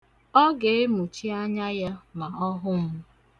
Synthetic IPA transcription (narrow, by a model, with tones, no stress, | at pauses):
ɔ˦ɡe˨e˦mu˨t͡ʃi˦a˦ɲa˦ja˦ma˨ɔ˦ɦʊ˦m̩˦